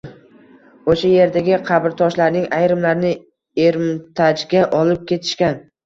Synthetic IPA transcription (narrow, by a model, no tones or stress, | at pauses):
oʃaje̞ɾd̪aɡʲɪqʰɑbɾt̪ʰɒʃlaɾnɪŋajɾɪmlaɾnɪ | eɾmt̪ʰad͡ʒɡʲaʔɒlɪp̚kʲe̞t̪ʰɪ̥ʃkʲan